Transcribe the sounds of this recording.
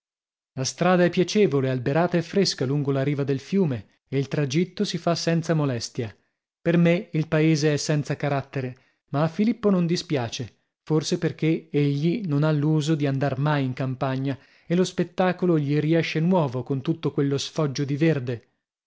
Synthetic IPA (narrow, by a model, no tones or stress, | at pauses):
last̪ɾaːd̪aɛpːjat͡ʃeːvolealbeɾaːt̪aefːɾeskaluŋɡolaɾiːvad̪elfjuːmeː | ilt̪ɾad͡ʒit̪ːosifasɛnt̪samolɛst̪ja | permeilpaeːzeɛsːɛnt̪sakaɾat̪ːeɾe | maːfːilipːonond̪ispjaːt͡ʃe | forseperk̟eeʎːinonalːuːzod̪iand̪armajiŋkampaɲːa | elospet̪ːaːkoloʎiɾiɛʃːenwɔːvokont̪ut̪ːokwelːosfɔd͡ʒːod̪iverd̪e